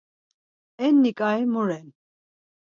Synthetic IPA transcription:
ɛnːikʼajmuɾɛn

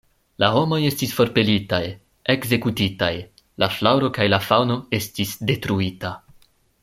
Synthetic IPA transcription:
laɦo̞mo̞je̞stisfo̞ɾpe̞litaj | e̞kze̞kutitaj | laflawɾo̞kajlafawno̞e̞stisde̞tɾuita

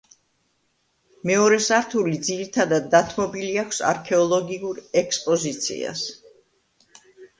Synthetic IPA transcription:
mɛɔɾɛsaɾt̪ʰulid̪ziɾit̪ʰad̪ad̪ːat̪ʰmɔbiliakʷʰsa̰ɾkʰɛɔlˠɔɡiuɾɛkspʼɔzit̪sʰḭa̰s

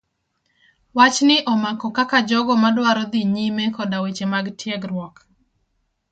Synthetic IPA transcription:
wat͡ʃnɪʔɔmakɔkakad͡ʒɔɡɔmadwaɾɔd̪iɲimekɔdawet͡ʃemaɡtʰjɛɡɾwɔk

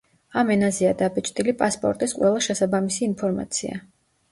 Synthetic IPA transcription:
amɛnazɛad̪abɛt͡ʃʼt̪ʼilipʼaspʼɔ̰ɾt̪ʼisqʼwɛlˠaʃɛsabamisiːnpʰɔɾma̰t̪sʰia̰

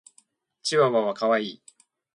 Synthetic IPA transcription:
t͡ɕiβaβaβakaβaiː

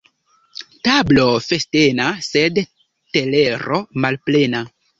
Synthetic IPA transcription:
tablo̞feste̞nased | tele̞ɾomalple̞na

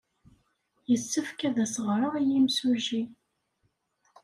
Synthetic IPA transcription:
jəsːəfkæðæsəʁɾˤəʁijimsuʒi

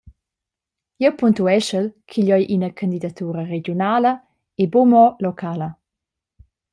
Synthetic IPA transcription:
jɛwpunt̪uɛʃəlkʰiʎɔjʔinəkʰand̪id̪at̪uːɾəɾed͡ʒjonaːlə | ebomɔlokʰaːlə

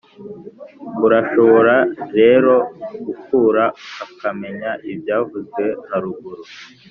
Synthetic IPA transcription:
uɾaʃo̞βo̞ɾaɾe̞ɾo̞ɡ̥ukuːɾaakame̞ɲaʔibjaːvuzɡwe̞aɾuɡuɾu

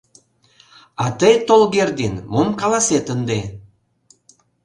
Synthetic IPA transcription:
ɑt̪əjt̪olɣerd̪enmomkɑlɑset̪ənd̪e

